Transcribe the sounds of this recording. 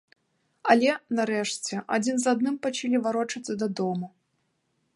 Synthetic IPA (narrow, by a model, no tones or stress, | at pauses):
ɐlʲɛnaɾɛʂt͡sʲɛʔad͡zʲinzad̪nɨmpɐt͡ʃalʲivaɾɔt͡ʂɐt̪sːɐd̪ɐd̪ɔmu